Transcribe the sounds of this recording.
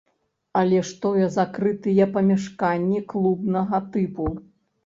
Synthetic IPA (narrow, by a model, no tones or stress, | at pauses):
ɐlʲɛʂt̪ɔjɛzakɾɨt̪ɨjɛpɐmʲɛʂkanʲːiklˠubnɐɣɐt̪ɨpu